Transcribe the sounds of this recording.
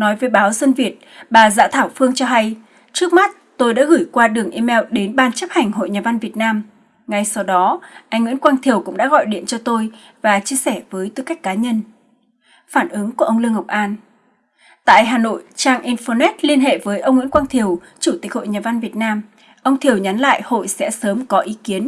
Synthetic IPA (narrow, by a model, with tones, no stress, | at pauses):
nɔ˨˦jvəː˨˦jɓaː˨˦wzə˧nvi˨˩ət̚ɓaː˨˩za̰ː˧˥t̪ʰaː˧˩wfɨ˧əŋt͡ɕɔ˧ɦa˧j | t͡ɕɨ˦˥ək̚ma˦˥t̚t̪o˧jɗa̰ː˧˥ɣɨ˧˩jkwaː˧ɗɨ˨˩əŋʔi˧mɛ˧wɗe˨˦nɓaː˧nt͡ɕə˦˥p̚ha˨˩jŋ̟hɦo̰˧˨jɲaː˨˩va˧nvi˨˩ət̚naː˧m | ŋa˨˩jsa˧wɗɔ˨˦ʔa˧ŋwḭ˧˥nkwaː˧ŋt̪ʰi˨˩əwkʊ̰˧˥ŋ͡mɗa̰ː˧˥ɣɔ̰˧˨jɗḭ˧˨ənt͡ɕɔ˧t̪o˧j | vaː˨˩t͡ɕi˧əsɛ˧˩vəː˨˦jt̪ɨ˧ka˦˥jk̟̚kaː˨˦ɲə˧n | faː˧˩nʔɨ˨˦ŋku˧˩əʔə˧wŋ͡mlɨ˧əŋhə˨˩k͡p̚ʔaː˧n | t̪a̰ː˧˨jɦaː˨˩no̰˧˨jt͡ɕaː˧ŋʔi˧nfo˧nɛ˦˥t̚li˧ənɦḛ˧˨vəː˨˦jʔə˧wŋ͡mŋḭ˧˥ənkwaː˧ŋt̪ʰi˨˩əw | t͡ɕu˧˩t̪i˦˥k̚ho̰˧˨jɲaː˨˩va˧nvi˨˩ət̚naː˧m | ʔə˧wŋ͡mt̪ʰi˨˩əwɲa˨˦nla̰ː˧˨jho̰˧˨jsɛ̰˧˥səː˨˦mkɔ˨˦ʔi˨˦ki˨˦ən